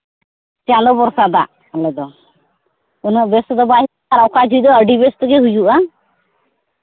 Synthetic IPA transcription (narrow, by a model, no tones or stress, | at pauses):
t͡ʃãnd̪ɔbɔɾsad̪aʔ | lɔd̪ɔ | unəʔbɛst̪ɔd̪ɔbaɦi | aɾawkad͡ʒʱujd̪ɔəɖibɛst̪ɔɡɛɦud͡ʒuʔa